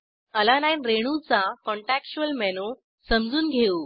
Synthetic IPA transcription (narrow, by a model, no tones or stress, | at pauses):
əlanajnɾeɽ̃ut͡sakɔɳʈækt͡ɕuəlmɛnu | səmd͡zuːnɡʱeu